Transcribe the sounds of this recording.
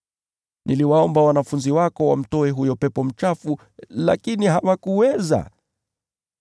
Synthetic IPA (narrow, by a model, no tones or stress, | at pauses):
nʔiliwaɔmbawanafunziwakɔwa̰m̩tɔɛɦujɔpɛpɔm̩t͡ʃafu | la̰kiniɦawakuwɛza̰